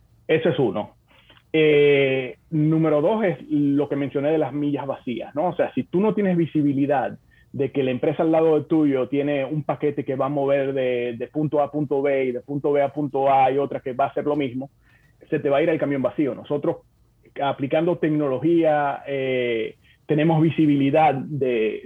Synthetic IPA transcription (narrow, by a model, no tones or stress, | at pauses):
e̞soe̞suno̞ | e | nũme̞ɾo̞ðo̞se̞slo̞ke̞mensjo̞ne̞ð̞e̞lazmiʝazβasia̰sno̞ose̞asit̪uno̞t̪je̞ne̞zβisiβiliðað | d̪e̞ke̞laempɾe̞saːlːað̞o̞ðe̞t̪uʝo̞t̪je̞ne̞umpake̞t̪e̞ke̞βaːmo̞βe̞ɾðe̞ðe̞punt̪oapunt̪o̞βe̞iðe̞punt̪o̞βe̞apunt̪o̞aio̞t̪ɾake̞βaːse̞ɾlo̞mismo̞ | se̞t̪e̞βaiɾaelkamjo̞mbasio̞no̞̰so̞t̪ɾo̞s | aplikand̪o̞t̪e̞kno̞lo̞xiae | t̪e̞ne̞mo̞zβisiβiliðaðd̪e̞